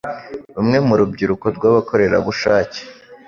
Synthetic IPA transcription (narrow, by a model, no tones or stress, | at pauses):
ɾumŋe̞muɾub̚ɟiɾukoɾɡwaβako̞ɾe̞ɾa̰βuʃaːce̥